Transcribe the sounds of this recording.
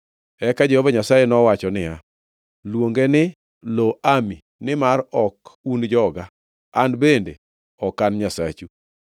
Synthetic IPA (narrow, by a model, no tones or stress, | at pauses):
ɛkad͡ʒehɔvaɲasajenɔwat͡ʃɔnɪja | lwoŋɡenɪ | loami | nɪmarɔkund͡ʒɔɡa | andbende | ɔkanɲasa̰t͡ʃu